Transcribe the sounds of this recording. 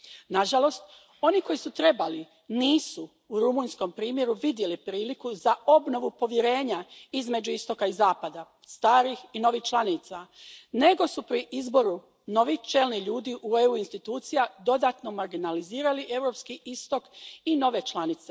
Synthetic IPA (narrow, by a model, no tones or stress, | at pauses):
naʒalo̞st̪ | o̞niko̞jisut̪ɾe̞bali | niːsu | uɾumuːɲsko̞mpɾiːmje̞ɾuʋid̪je̞lipɾiːlikuzao̞bno̞ʋupo̞ʋjeɾe̞ːɲaizme̞d͡ʑuist̪o̞kaizaːpad̪a | st̪aːɾixino̞ʋixt͡ʃlˠaniːt̪sane̞ɡo̞supɾiʔizbo̞ɾu | no̞ʋiht͡ʃe̞lniʎuːd̪iʔueuinst̪it̪uːt̪sijad̪o̞d̪aːt̪no̞maɾɡinaliziːɾaliʔe̞ʋɾo̞pskiʔist̪o̞kino̞ʋe̞t͡ʃlˠanit̪se